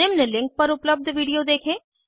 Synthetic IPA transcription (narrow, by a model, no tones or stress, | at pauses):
emnelɪ̃ŋk̚pɐɾʊpləb̚d̪ʱʋiːɖijod̪eːkʰẽː